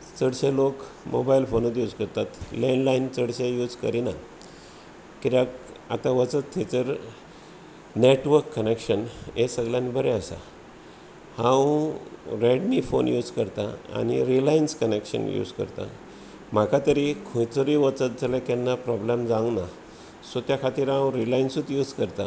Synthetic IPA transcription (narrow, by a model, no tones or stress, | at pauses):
t͡səɽɕelok | mo̰bailfonət̪jud͡zkəɾt̪at̪leɳɖlaint͡səɽɕejuːd͡zkəɾina | kiɾak | a̰t̪ãʋət͡sət̪ʰːet͡səɾ | neʈʋəɾkːənekʂənesəɡljãnibʱəɾeəsa̰ | hãw | ɾeɖnifo̰njuːd͡zkəɾt̪aa̰ñḭɾilajnskənekʂə̰njṵd͡zkə̰ɾt̪a̰ | m̤akʰat̪əɾikʰojt͡soɾiʋət͡sət̪̚d͡zʱəlakɛnːapɾɔblemd͡zãna | sot̪jakʰat̪iːɾɦãwɾilainsut̪juːd͡zkəɾt̪a